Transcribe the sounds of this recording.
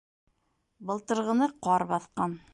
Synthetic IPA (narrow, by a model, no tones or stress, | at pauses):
bɤ̆lˠt̪ɤ̆ɾʁɤ̆nɤqɑɾbɑθqɑn